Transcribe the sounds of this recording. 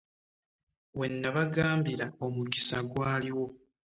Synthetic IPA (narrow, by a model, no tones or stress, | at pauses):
we̞nːaβaɡaːmbiɾaomuɡisaɡwaːliwo̞